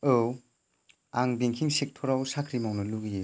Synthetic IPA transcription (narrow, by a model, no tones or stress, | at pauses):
ɯw | aŋbiŋkʰiŋsik̚tʰɔɾawsakʰɾimawnɯluɡi